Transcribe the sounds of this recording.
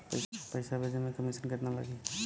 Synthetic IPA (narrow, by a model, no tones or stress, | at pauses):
pəpəjsabʱed͡ʒemekəmisənkət̪nala̰ɡe